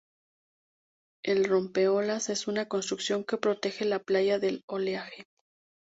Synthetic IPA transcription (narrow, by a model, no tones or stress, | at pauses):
e̞lro̞mpe̞o̞lase̞sunako̞ns̬t̪ɾuksjo̞ŋke̞pɾo̞t̪e̞xe̞laplaʝaðe̞lo̞leaxe